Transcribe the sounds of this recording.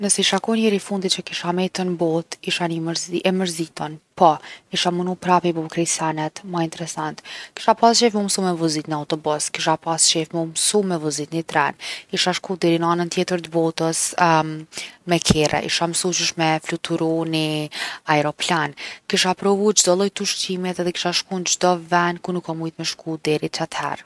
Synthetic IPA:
nəsɛiʃakɔjnɛɾifund̪it̪t͡ʃəkiʃamɛt̪ənbɔt̪iʃaniɛməɾzit̪ɔnpɔkiʃamunupɾapibɔkɾɛsanɛt̪maint̪ɛɾɛsant̪ki̥ʃapasʃɛfmumsumɛvuzit̪niawt̪ɔbɔskiʃapasʃɛfmumsumːɛvuzit̪nit̪ɾɛnkiʃaʃkud̪ɛɾinəanənt̪jɛt̪əɾt̪əbɔt̪əs | mɛkʰɛrɛ̰ʔḭʃaməsut͡ʃuʃmɛflut̪ʰuɾɔniaɛɾɔplankiʃapɾɔvud͡ʒd̪ɔlˠɔjt̪uʃtimɛt̪ðɛki̥ʃaʃkund͡ʒd̪ɔvɛnkunukːɔmujt̪mɛʃkud̪ɛɾit͡ʃat̪hɛ̰ɾ

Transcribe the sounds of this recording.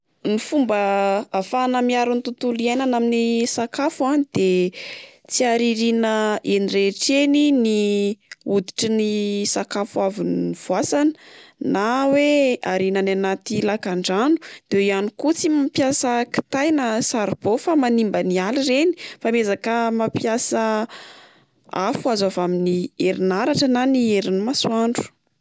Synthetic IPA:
nifumbəafanəmiaɾunit̪ut̪uliejnanaminisakafuanid̪̥e | t͡siaɾiɾinəenireʈ͡ʂenini | ud̪i̥ʈ͡ʂinisakafuaviniv̥uasanə̥naweaɾinananat̪ilakaɳɖ͡ʐanu̥d̪̥eweianikut͡simapjasəki̥t̪ajnasaɾb̥ofamanimbənialireni̥famezakəmapjasə | afuazavaminieɾinaɾaʈ͡ʂənanieɾinmasuaɳɖ͡ʐu̥

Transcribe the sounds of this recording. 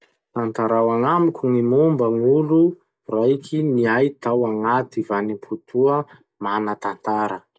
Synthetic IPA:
t̪ant̪aɾawaŋamikʲʰuŋimumbəŋulu | raikʰiniajt̪awaŋat̪ivanimpʰut̪ʰuə | manət̪ant̪aɾə

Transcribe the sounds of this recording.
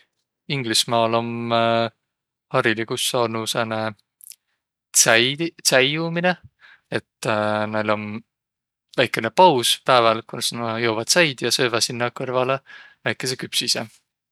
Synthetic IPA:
iŋɡ̥lismɑːlo̞m | hɑɾilikusːɑːnusene | sæjumine̞ | et̪ːnelo̞n | væjkːˑe̞nepɑwspæevɑlkunsnɑjowvɑd̪̥sɑjd̪̥jɑsø̞ːvɑsinːɑkɤrvɑle | væjkːˑe̞s̬e̞kypsise

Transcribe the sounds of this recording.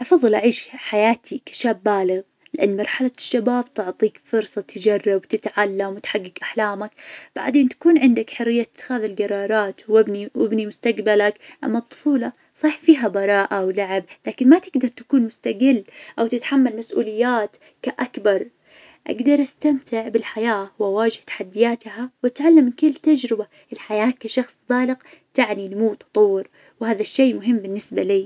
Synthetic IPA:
ʔɑfɑðˤːɨlʔaʕiːʃħajaːt̪ʰikḁʃaːbːaːlɪɣ | lɪʔanːmɑɾˤħalaʃːabaːbt̪ʊʕt̪ˤiːkfʊɾsˤɑt̪ɪd͡ʒɑrˤːɑbwt̪ɪt̪ʕalːamwt̪ħaɡːɪɡʔaħlaːmakb̥aʕd̪eːnt̪ḁkuːnʕɪnd̪akħʊrːɪjːat̪ːxaːðɪlɡɑɾˤɑːɾˤɑːt̪wɪbniwɪ̰bnimʊst̪aɡbalakʔa̰mːɑt̪ˤːʊ̥fuːlɑ | sˤɑːħfiːɦabɑɾˤɑːʔawlaʕɪb̚laːkɪnmat̪ɪɡd̪ɑɾˤt̪ḁkuːnmʊst̪aɡɪlːʔawt̪ɪt̪ħamːalmasʔṵːlɪjːaːt̪ | kaʔakbɑɾˤ | ʔa̰ɡd̪ɑɾˤʔast̪amt̪ʰɪʕbɪlħajaːwʔawaːd͡ʒɪht̪ḁħad̪ːɪjaːt̪hawat̪ʕalːamɪkɪlːt̪ad͡ʒɾɪba | ʔɪlħajaːkːaʃɑxsˤbaːlɪqt̪aʕninmuːwt̪ɑ̥t̪ˤɑwːɪɾ | whaːðaʃːeːmʊɦɪmːbɪnːɪsbaliː

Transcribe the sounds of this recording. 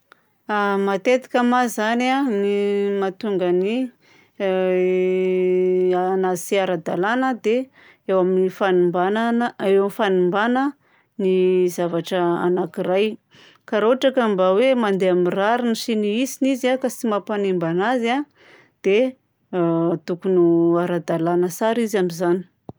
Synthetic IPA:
amat̪et̪i̥kʲamazananimat̪uŋɡəni | anasiaɾad̪alanəd̪e | ewaminifanumbannewamifanumbanə | nizavaʈ͡ʂəa̰nakiraj | kaɾoɦaʈ͡ʂakambawemand̪eamiraɾinisiniisinizakasimapanembanaza | d̪̥e | t̪ukunuaɾad̪alanəsaɾizamizani̥

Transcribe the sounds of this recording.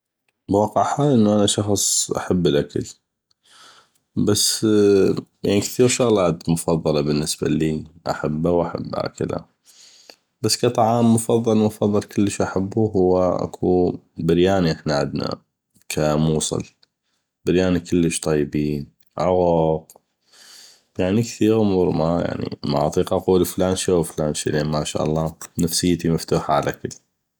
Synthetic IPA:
bwɑːqəʕħaːlʔənːuʔanaʃɑxsˤʔa̰ħabːɪlʔakal | basː | jaʕnikθiːɾʃʊɣlaːt̪mʊfɑðˤːɑlɑbənːəsba̰liːʔa̰ħabːawʔaħa̰bːʔa̰ːkɪla̰ | b̥asːkɑt̪ˤɑʕɑːmːʊfɑðˤːɑlmʊfɑðˤːɑlkəlːəʃʔaħabːuɦʊwːaʔa̰kʰubɪɾjaːniʔəħnaʕɪd̪na̰ | kʰamuːsˤɨ̰l | baɾjaːnikəlːəʃt̪ˤɑjːbiːn | ʕʊɣʊq | jaʕnikθiːɾʕʊmuːɾˤmaja̰ʕnḭma̰ʔɑt̪ˤiːqɑʔɑquːliflaːnʃiawflaːnʃḭleːnmaʃa̰ːʔɑlˤːɑːnafsəjːt̪imaft̪uːħaʕalaʔkəl

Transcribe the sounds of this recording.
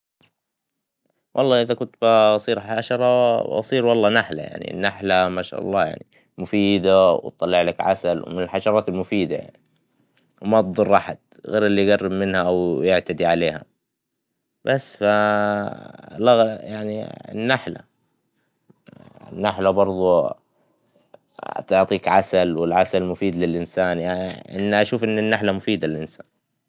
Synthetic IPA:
wʔɑ̰lˤːɑːʔɪðakʊt̪basˤiːɾħaʃɑɾˤɑbɑ̰sˤiːɾwɑlˤːɑːnaħla̰ja̰ʕnḭnːaħlamaʃa̰ːʔɑ̰lˤːɑ̰ːja̰ʕni | mʊfiːd̪awt̪ˤːɑlːɪʕlakʕa̰salwmɪnɪlħaʃɑɾˤɑːt̪ɪlmʊfiːd̪aja̰ʕni | wmat̪ðˤʊrˤʔaħad̪̥̚ | ɣeːɾɪlːijɡarːɪbmɪnhaʔawjɪʕt̪ad̪iʕaleːha̰ | b̥asːfa | lɑɣjʔaʕnḭnːaħla̰ | nːaħlabɑɾˤðˤu | t̪ʊʕt̪ˤiːkʕasalwɪlʕasalmʊfiːd̪lɪlʔɪnsaːnjaʔɪ̰nːʔaʃuːfʔɪnːɪnːaħlamʊfiːd̪alɪlʔɪnsa̰ːn

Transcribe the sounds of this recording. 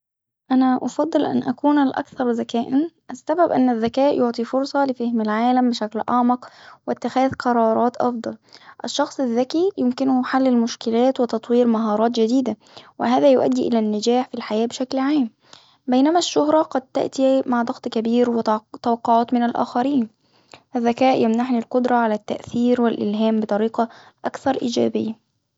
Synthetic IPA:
ʔænæʔɑfɑd̪ˤːɨlʔa̰nʔæ̰kuːnalʔæ̰kθɑɾˤzakæːʔanʔasːæbæbʔɪ̰nːɪðːækæːʔjoʕt̪ˤifʊɾsˤɑlɪfahmɪlʕaːlæmbɪʃæklʔɑʕmɑqwɪt̪ːɪxæːðqʰɑɾˤɑːɾˤɑːt̪ʔɑ̰fd̪ˤɑlʔɪʃːɑxsˤɪðːækijɪmkɪnʊħalːɪlmʊʃkɪlæːt̪wɪt̪ɑt̪ˤwiːɾmaɦɑːɾˤɑːt̪d͡ʒɪd̪iːd̪a | wɪhæːðæːjʊʔæ̰d̪ːiːʔɪ̰lænːɪd͡ʒæːħfilħajæːbɪʃæklʕaːm | bejnæmæʃːʊhɾˤɑqɑd̪̚t̪a̰ʔt̪imaʕd̪ˤɑɣt̪ˤkæbiːɾwɪt̪æwɑqːoʕɑːt̪mɪnælʔæ̰ːxæɾiːn | ʔæðːækæːʔjæmnaħnilqod̪ɾˤɑʕalæt̪ːæ̰ʔθiːɾwɪlʔɪ̰lɦæːmbɨt̪ˤɑɾiːqɑ | ʔækθɑɾˤʔḭːd͡ʒæ̰ːbɪjːæ

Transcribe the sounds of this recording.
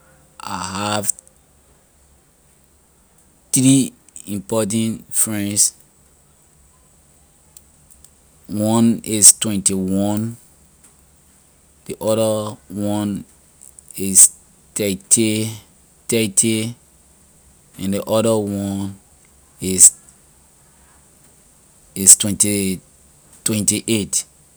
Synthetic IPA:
a̰ɦav | θɹi | ĩmpɔt̬ãnfɹɛ̃ns | wɔ̃nistwɛ̃ntiwɔ̃n | d̥iʔɔɾəwɔ̃n | is | tɛtʰi | tɛtʰi | ɛ̃ndiʔɔdəwɔ̃n | is | istwɛ̃nti | twɛ̃ntiʔet

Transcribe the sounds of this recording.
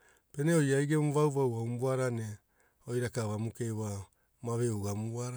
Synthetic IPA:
peneojaiɡemuβawβawaumbuaɾane | ojɾakaβamukewa | maβeuɡamuaɾa

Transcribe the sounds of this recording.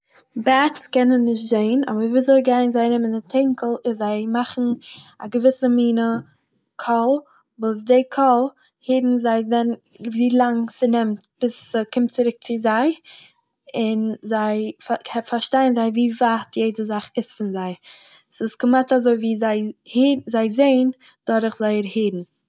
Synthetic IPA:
bakskɛnənːɪʃtzeɪnɔ̰bəɾviːzɔɪlˠɡaɪnzaɪnɪmɪndɪtʰɛŋkʰəl̩ˠɪzaɪmaχn̩aɡəvɪsəmiːnə | kʰɔlˠ | vos̬deɪkʰɔlˠ | hiːɾn̩zaɪvɛn | viːlˠaŋsɪnɛmtb̥ɪsəkɪmtt͡sɪɾɪk̚t͡sɪzaɪ | ɪnzaɪfkʰɛfaɾʃtaɪnzaɪviːvaːtʰjeɪdəzaχɪsfɪnzaɪ | sɪsɡəmatazoɪviːzaɪhiːzaɪzeɪn | d̥ɔɾəχzaɪəɾhiːdn̩

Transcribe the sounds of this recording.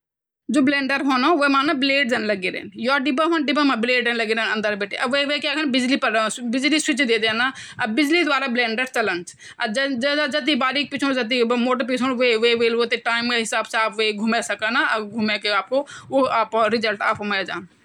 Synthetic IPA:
d͡ʒoːblẽːɳɖəɾɦoːnõːʋomaːnabɪleːɖd͡ʒənləɡeɾḛːnjɔːɖɪbaɦoːnɖɪbamãbleːɖənlɐɡiːɾeːnɐ̃nd̪əɾbeːʈʰeʔɐbʋeʋekaːkʰənbɪd͡ʒlipəɾbɪd͡ʒliswɪt͡ʃd̪eːd̪eːnaː | ɐbɪd͡ʒlid̪ʊaːɾablẽːɳɖəɾt͡ʃɐlənt͡ʃ | ɐd͡ʒd͡ʒad͡ʒɐt̪̬ibaːɾiːk̚pɪt͡ʃʰõd͡ʒɐt̪̬imoːʈ̬əɾp̬it͡ʃʰɦoːnʋeʋeʋeːlot̪eʈaːɪmkeɦɪsaːbseaːbʋeɡʱumesɐkanaɡʱumekeaːp̚kooːaːpːɾɪd͡ʒəlʈaːpːmajad͡ʒa̰ːn

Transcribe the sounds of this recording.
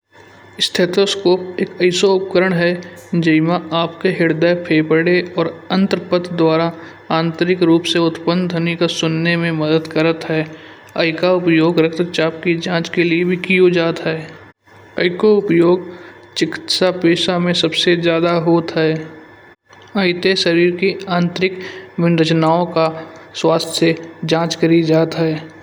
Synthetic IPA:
ɪst̪ʰeːt̪oːskoːpeːkəɪsoʊp̚kəɾəɽ̃ɦɛd͡ʒəɪmãaːpkeɦɪɾd̪əpʰeːpəɽeɔːɾə̃nt̪əɾpət̪ʰd̪waːɾa | ãːnt̪əɾɪkɾuːpseʊt̪pə̃nd̪ʱənikasʊnːemẽməd̪əd̪kəɾət̪ɦɛː | əɪkaʊpjoːɡɾək̚t̪ət͡ʃaːp̚kid͡ʒãːt͡ʃkeliebʱikijod͡ʒaːt̪ɦɛː | əɪkoʊpjoːɡ | t͡ʃɪkɪ̥t̪sapeːʃamẽsəbsed͡ʒjaːd̪aɦoːt̪ɦɛː | əɪt̪eʃəɾiːɾkiãːnt̪ɾɪkmɪnɾət͡ʃnaːõkaswaːst̪ʰjed͡ʒãːt͡ʃkəɾid͡ʒaːt̪ɦɛː

